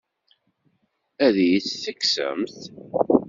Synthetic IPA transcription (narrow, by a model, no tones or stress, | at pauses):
æðjit͡sːθəkːsə̰mθ